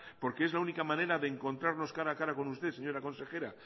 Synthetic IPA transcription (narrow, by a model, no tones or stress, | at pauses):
po̞ɾke̞e̞zlaunikamãne̞ɾaðe̞ːŋko̞nt̪ɾaɾno̞skaɾaːkaɾako̞nust̪e̞seɲo̞ɾako̞nse̞xe̞ɾa